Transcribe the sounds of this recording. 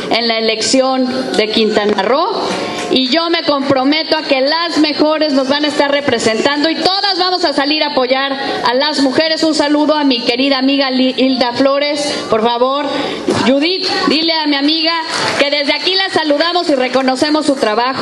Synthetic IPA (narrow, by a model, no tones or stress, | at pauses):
e̞nlaele̞ksjo̞nd̪e̞kint̪anaro̞ | iʝo̞me̞ko̞mpɾo̞me̞t̪oake̞lazme̞xo̞ɾe̞zno̞zβanaest̪aɾre̞pɾe̞se̞nt̪and̪o̞it̪o̞ðazβamo̞sasaliɾapo̞ʝaɾ | a̰lazmuxe̞ɾe̞sunsaluðo̞amike̞ɾiðaːmiɣaild̪aflo̞ɾe̞spo̞ɾfaβo̞ɾ | ʝuðit̪d̪ile̞amiamiɣake̞ðe̞zðe̞akilasaluðamo̞sire̞ko̞no̞se̞mo̞sːut̪ɾaβax